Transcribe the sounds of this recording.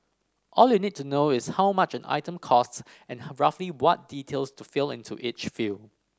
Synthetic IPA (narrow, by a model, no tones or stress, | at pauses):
ʔɔljunid̚tunoɪshaʊmat͡ʃɛ̃na̰ɪtə̃mkʰɔsts | ɛ̃nɹafliwɔt̚d̥itʰelstufilɪ̰̃ntʰṵʔit͡ʃful